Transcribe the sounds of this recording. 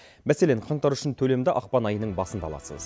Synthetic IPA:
mæse̞le̞ɴqʰɑɴt̪ɑɾʏ̥ʃɪnt̪ʰɵle̞md̪ɪʔɑq̚pɑnɑjənəɴbɑsənd̪ɑlˠɑ̰sə̰z

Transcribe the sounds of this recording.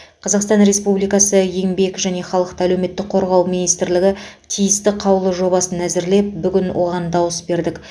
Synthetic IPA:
qʰɑzɑqst̪ɑnɾe̞spublijkɑsəje̞ŋbe̞kʒæne̞χɑlˠəq̚t̪əælewme̞t̪ːɪk̚qʰo̞ɾʁɑwmijnijst̪ɪɾlɪɡʲɪ | t̪ʰijɪst̪ɪqʰɑwlˠəʒo̞bɑsənæzɪɾle̞p̚bʏɡʲɪnwʔo̞ʁɑnd̪ɑwəsbe̞ɾd̪ɪk

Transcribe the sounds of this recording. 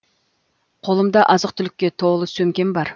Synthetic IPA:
qʰo̞lˠəmd̪ɑʔɑzəq̚t̪ʰʏlɪkʲːe̞t̪ʰolˠəsɵmkʲe̞mbɑɾ

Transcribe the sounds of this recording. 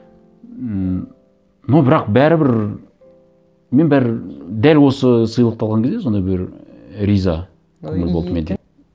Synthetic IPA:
nobɪɾɑqbæɾɪbɪɾ | me̞nbæɾd̪ælwo̞səsəjəlˠəqt̪ʰɑlˠʁɑŋkʰʲezd̪eso̞nd̪ɑjbɪɾ | ɾijzɑ | kʲʰɵŋɪlbolˠd̪əme̞nd̪e

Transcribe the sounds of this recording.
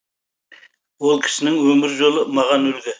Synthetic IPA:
wolˠkʲʰɪ̥ʃɪnɪŋwɵmɪɾʒolˠəmɑʁɑnɵlɡʲɪ

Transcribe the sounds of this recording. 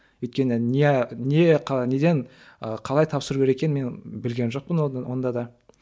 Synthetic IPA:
wɵjt̪̚kʲe̞nɪnene̞qʰne̞d̪e̞n | əqʰɑlˠɑjt̪ʰɑpsəɾuɡʲɾekʲe̞nmenbɪlɡʲe̞nʒo̞q̚pənwʔo̞nd̪ɑd̪ɑ

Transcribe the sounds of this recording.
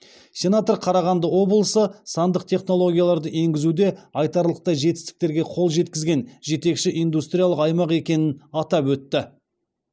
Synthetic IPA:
sʲe̞nat̪o̞rqʰɑɾɑʁɑnd̪əwo̞blˠəsəsɑnd̪əqt̪ʰe̞χno̞lˠo̞ɡʲijalˠɑɾd̪əʔe̞ŋɡʲɪzud̪e̞ɑjt̪ɑɾlˠəq̚t̪ɑʒe̞t̪ɪ̥st̪ɪ̥k̚t̪e̞ɾɡʲe̞qʰolˠʒe̞t̪kʲɪzɡʲe̞nʒe̞t̪e̞kʃɪʔijnd̪ust̪rʲijalˠəqɑjmɑqe̞kʲe̞nɪnɑt̪ɑpwɵt̪ːɪ

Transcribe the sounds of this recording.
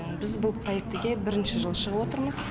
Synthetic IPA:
bɪzbʊlˠpʰro̞je̞k̚t̪ɪɡʲe̞bɪɾɪnʃɪʒəlˠʃəʁəpwo̞t̪əɾməz̥

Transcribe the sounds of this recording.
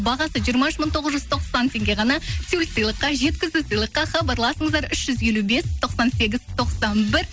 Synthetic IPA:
bɑʁɑsəʒijəɾmɑʏʃməɴt̪ʰo̞ʁəzʒʏz̥t̪ʰo̞qsɑnt̪ʰe̞ŋɡʲe̞ʁɑnɑsulʲsɨjlˠəqːɑʒe̞t̪̚kʲɪzɪsəjlˠəqːɑχɑbɑɾlˠɑsəɴəzd̪ɑɾʏʃʒ̥ʏzje̞lube̞st̪ʰo̞qsɑnse̞ɡʲɪzt̪ʰo̞qsɑnbɪɾ

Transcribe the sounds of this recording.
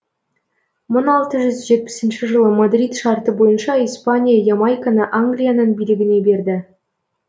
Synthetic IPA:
monɑlˠt̪ɤʒʏzʒet̪̚pʲɪ̥sɘ̆nʃɘʐɤ̆lˠəmod̪rʲit̪ʃɑrt̪əbojɤnʃɑispanʲijajɑmɑjkanəʔaŋɡlʲijanɑnbilʲɘ̆ɡʲɪ̆ne̞berʲd̪ʲɘ̆

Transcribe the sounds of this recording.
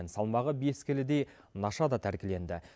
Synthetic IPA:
nsɑlˠmɑʁəbe̞skʲɪlɪd̪e̞j | nɑʃɑd̪ɑt̪ʰæɾkʲɪle̞nd̪ɪ

